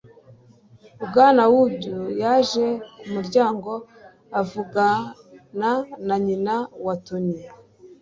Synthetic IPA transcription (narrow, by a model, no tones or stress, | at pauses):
ubɡaːnawubɟujaʒe̞umuɾɟaːŋɡo̞ | avuɡananaɲinawatuni